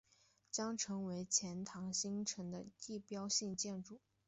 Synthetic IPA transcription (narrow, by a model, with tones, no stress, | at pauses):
t͡ɕjɑ˥ŋʈ͡ʂʰɤ˧˥ŋwe˧˥ɪt͡ɕʰjɛ˧˥nt̪ʰɑ˧˥ŋɕi˥ŋʈ͡ʂʰɤ˧˥ŋd̪ə˧i˥˩pjɑ˥ʊɕi˥˧ŋt͡ɕjɛ˥˧nʈ͡ʂu˥˩